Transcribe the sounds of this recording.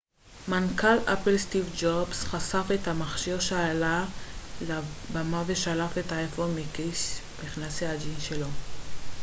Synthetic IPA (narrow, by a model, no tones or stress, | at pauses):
mankalʔapelst̪ivd͡ʒobsχasafethamaχʃiʁʃaalalabamaveʃalafetaefomikis | miχnasead͡ʒinʃelo